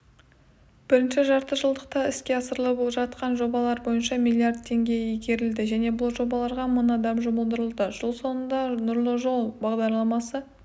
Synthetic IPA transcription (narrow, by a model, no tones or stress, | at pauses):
b̥ɪɾɪnʃɪʒɑɾt̪əʒəlˠd̪əq̚t̪ɑɪskʲe̞ɑsəɾlˠəboʒɑt̪̚qɑnʒo̞bɑlˠɑɾbo̞jənʃɑmilʲːijard̪̚tʰe̞ŋɡʲe̞jijɡʲe̞ɾɪld̪ɪʒæne̞bʊlˠʒo̞bɑlˠɑɾʁɑmənd̪ɑmʒʊməlˠd̪əɾəlˠd̪əʒəlˠso̞nənd̪ɑnʊɾlˠəʒo̞lˠbɑʁd̪ɑɾlˠɑmɑsə